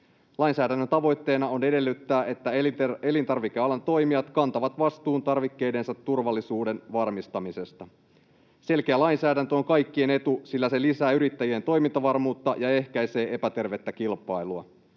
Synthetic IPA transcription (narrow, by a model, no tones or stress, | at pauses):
lɑinsæːdænːønt̪ɑʋo̞jt̪ːe̞ːnɑo̞ne̞de̞lːyt̪ːæːʔe̞t̪ːæe̞lint̪ɑrʋik̟eɑlɑnt̪o̞jmiɑt̪kɑnt̪ɑʋɑt̪ʋɑst̪uːnt̪ɑrʋikːe̞jde̞nsɑt̪ːurʋɑlːisuːdenʋɑrmist̪ɑmise̞st̪ɑ | se̞lkeælɑinsæːdænt̪øoŋkɑjkːie̞ne̞t̪usilːæselisæːyɾit̪ːæjie̞nt̪o̞jmint̪ɑʋɑrmuːt̪ːɑjɑe̞hkæjse̞ːʔe̞pæt̪e̞rʋe̞t̪ːækilpɑjluɑ